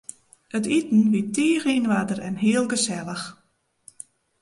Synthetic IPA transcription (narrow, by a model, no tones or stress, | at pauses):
ətitn̩ʋitʰiːxinʋadərɛnɦiəlˠɡəsɛlˠəx